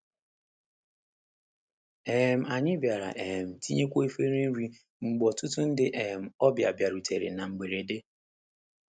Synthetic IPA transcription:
e˨m̩˨a˨ɲɪ˦bja˨ɾa̰˨ʔe˨m̩˨ti˦ɲe˦kʷo˦e˦fe˦ɾe˦n̩˦ɾi˦ | ŋ͡m̩˨ɡ͡bɔ˨tʊ˦tu˦n̩˦dɪ˦ʔe˨m̩˨ɔ˦bja˨bja˨ɾu˨te˨ɾḛ˨na˨ŋ͡m̩˨ɡ͡be˨ɾe˨de˦

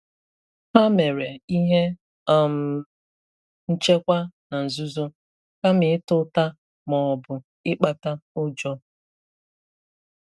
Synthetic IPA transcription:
ha˦me˨ɾe˨i˦ɦe˦ | a˨m̩˨ | n̩˦t͡ʃe˦kʷa˦na˨n̩˨zu˦zʊ˦ | ka˦mɪ˨˦ɪ˦tʊ˦ta˦ | mɔ˨ɔ˨bʊ˨ | ɪ˦k͡pa˨ta˦ʊ˦d͡ʒɔ˦

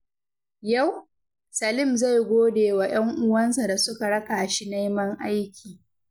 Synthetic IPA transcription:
ja˦˨w | sa˨lɪ˦mza˦˨jɡʷoː˦deː˨wa˨j̰ɐ˦ŋʔʊ˦wɐ˦nsa˨da˨sʊ˦ka˨ɽɐ˦kaː˨ʃi˦na˦jmɐ˦ŋʔa˦jkʲʰiː˨

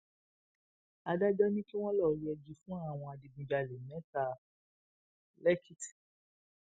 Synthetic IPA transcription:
a˧da˦dɔ˦nĩ˦ki˦w̃ɔ̃˦lɔ˦˨ɾi˦ɛ˧d͡ʒi˧fũ˦a˦˨w̃ɔ̃˧a˧di˧bĩ˧d͡ʒa˧lɛ˨mɛ̃˨˦ta˧˨ | lɛ˦kʰi˦ti̥˨

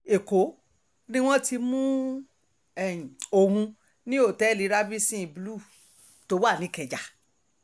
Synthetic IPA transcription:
e˨ko˨˦ | nĩ˦w̃ɔ̃˦ti˧mũ˦ | ɛ̃˨o˧hũ˧ | nĩ˦o˦˨tɛ˨˦li˨˧˦ɾa˦bi˦sĩ˦˨blu˦˨ | to˨˦wa˦˨nĩ˨˦kɛ˧˨d͡ʒa˨

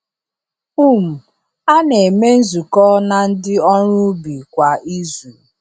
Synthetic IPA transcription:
u˦m̩˨ | a˦ne˨me˦n̩˦zu˨kɔː˦na˨n̩˦dɪ˦ɔ˦ɾʊ˦bi˨kʷa˨ʔi˦zu˨

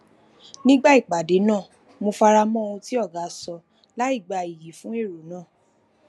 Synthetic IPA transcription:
nĩ˦ɡ͡ba˦i˦˨k͡pa˨de˨˦nãː˦˨ | mo˧fa˧ɾa˧mɔ̃˦˧ũ˧ti˦ɔ˦˨ɡa˨˦sɔ˧ | la˦i˦˨ɡ͡ba˧i˨ji˨fũ˦e˦˨ɾo˨˦nãː˦˨

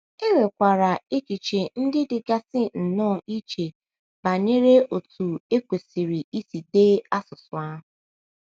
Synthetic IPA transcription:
e˦ɾe˨kʷa˨ɾa˨e˦ki˨t͡ʃe˨n̩˦dɪ˦dɪ˨ɡa˦sɪ˦n̩˨nɔ˦˨i˦t͡ʃe˨ | ba˨ɲe˦ɾe˦o˨tu˨e˦kʷe˨si˨ɾɪ˨i˦si˨de˦a˦sʊ˨sʊ˨a˦ɦʊ˨

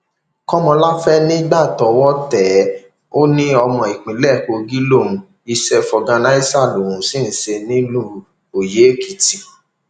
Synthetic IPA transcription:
kɔ˦mɔ̃˧la˦fɛ˦nĩ˦ɡ͡ba˦˨tɔ˨˦wɔ˦tɛ˨ | o˦nĩ˦ɔ˧mɔ̃˧i˨k͡pĩ˨˦lɛ˦˨ko˧ɡi˦lo˦˨ũ˨˧ | i˧ʃɛ˧fɔ˨ɡã˧na˨˦i˦sa˦˨lo˨ɾũ˨˦sĩ˦˨n̩˨˦se˧nĩ˦lũ˦ | o˨je˨˦ki˨ti˨

